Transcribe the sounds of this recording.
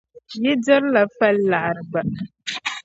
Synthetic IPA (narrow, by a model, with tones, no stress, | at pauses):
jɛ˦dɪ˦ɾla˨fa˦lːa˨ʔɾɨ˨ba˨